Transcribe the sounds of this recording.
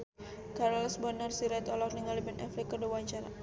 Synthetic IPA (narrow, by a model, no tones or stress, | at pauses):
kaɾɔlsbɔrnərsiɾɛt̪ɔlɔk̚niŋalibɛnʔɛflikədawaɲt͡ʃaɾa̰